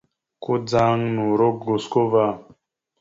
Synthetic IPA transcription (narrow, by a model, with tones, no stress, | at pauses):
ko˦d͡za˦ŋnu˨ɾo˦kɡo˨sko˦va˦˨